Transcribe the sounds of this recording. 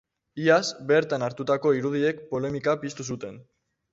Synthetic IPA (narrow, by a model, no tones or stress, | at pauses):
iasbe̞ɾt̪anaɾt̪ut̪ako̞iɾuðie̞kpo̞le̞mikapist̪us̬ut̪e̞n